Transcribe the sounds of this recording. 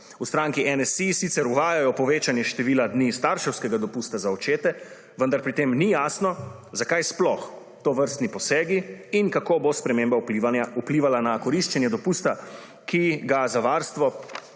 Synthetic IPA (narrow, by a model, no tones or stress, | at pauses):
ust̪ɾaŋkiʔɛnɛsisit̪sɛɾuʋaːjajɔpɔʋeːt͡ʃanjɛʃt̪ɛʋiːlad̪nist̪aɾʃɛwskɛɡad̪ɔpuːst̪azaɔt͡ʃeːt̪ɛ | ʋənd̪aɾpɾit̪emnijaːsnɔ | zakajsplɔx | t̪oːʋəɾst̪nipɔsɛːɡiinkakobospɾɛmeːmbaaupliːʋalanakɔɾiʃt͡ʃɛnjɛd̪ɔpust̪a | kʰiɡazaʋaːɾst̪ʋɔ